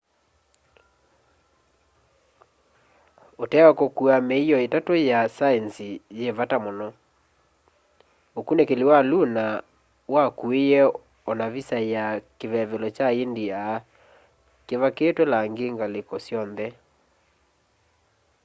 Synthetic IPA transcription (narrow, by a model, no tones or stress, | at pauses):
otɛwakokuameijɔetatojasaɛnsijeβatamonɔ | okunekeliwaluna | wakuejɛ | ɔnaβisajakeβɛβelɔt͡ʃaendiaː | keβaketwolaŋɡeŋɡalekɔsjɔnðɛ